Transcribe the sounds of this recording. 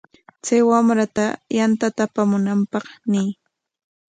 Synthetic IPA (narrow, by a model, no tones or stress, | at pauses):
t͡sajwamɾat̪ajant̪at̪apamʊnampɑχnɪj